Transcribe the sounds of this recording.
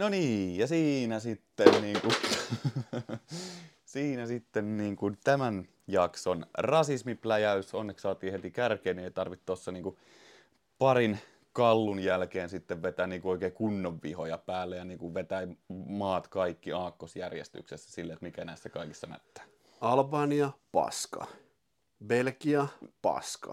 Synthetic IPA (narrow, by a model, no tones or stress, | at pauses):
noniːjjɑsiːnæsit̪ːenniːŋku | siːnæsit̪ːenniːŋkunt̪æmæn | jɑksonrɑsismiplæjæysonːeksɑːt̪iːhet̪ikærkeːnieit̪ɑrʋit̪t̪osːɑniːŋku | pɑrin | kɑlːunjælkeːnsit̪ːeʋʋet̪æːnniːŋkuoikeːkunːoʋʋḭhojɑpæːlːejɑniːŋkuʋʋet̪æmɑːt̪kɑikːiɑːkːosjærjḛst̪y̰ksesːæ̥silːet̪mikænæisːækɑikisːɑnæ̰t̪ːæ̥ː | ɑlbɑːniɑpɑ̰skɑ̰ | belkiɑpɑ̰skɑ̰